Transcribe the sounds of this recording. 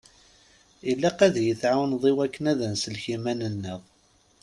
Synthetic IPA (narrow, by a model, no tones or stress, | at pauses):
ilːæqæðjəθʕawnðˤiwækːənæðənsəlçimænənːəʁˤ